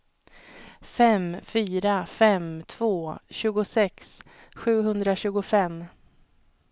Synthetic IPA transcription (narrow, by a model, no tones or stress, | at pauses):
fɛmfyːɾafɛmt̪ʰvoːɕʉ̟ːɡʊsɛks | ɧʉ̟ːɦɵnd̪ɾaɕʉ̟ːɡʊfɛm